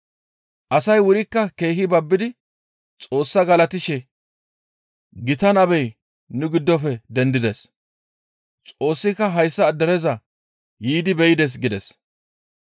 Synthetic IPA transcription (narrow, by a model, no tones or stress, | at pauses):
ʔɐsɐjwʊɾɪkːɐke̞ːhɪbɐbːɪd̪ɪ | t͡sʼo̞ːsːɐɡɐlɐt̪ɪʃɛ | ɡɪt̪ɐnɐbɛj | nʊɡɪd̪ːɔfɛd̪ɛnd̪ɪd̪ɛs | t͡sʼo̞ːsːɪkːɐɦɐjsːɐːd̪ːɐɾɛzɐ | jiːd̪ɪbɛjɪd̪ɛs̬ɡɪd̪ɛs